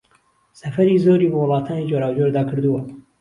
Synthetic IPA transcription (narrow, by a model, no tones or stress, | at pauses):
sɐfɐɾiːzoːɾiːbɨwɨlˠɑːt̪ʰɑːnid͡ʒoːɾaːwd͡ʒoːɾd̪ɑːkʰɨɾd̪uwɐ